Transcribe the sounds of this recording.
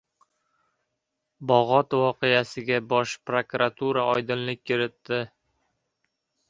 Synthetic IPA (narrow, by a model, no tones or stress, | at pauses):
bɒʁɒt̪vɒqejasɪɡʲabɒʃpɾokɾat̪ʰuɾaɒjd̪ɪnlɪk̚ʲkʰʲːɪɾɪt̪ːɪ